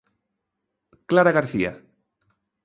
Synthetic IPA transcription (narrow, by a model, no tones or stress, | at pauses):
klaɾaɣaɾθia̰